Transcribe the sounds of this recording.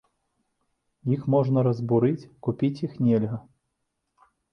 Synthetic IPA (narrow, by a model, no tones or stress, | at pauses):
jixmɔʐnɐɾɐzbuɾɨt͡sʲkupʲit͡sʲjixnʲɛlʲɣɐ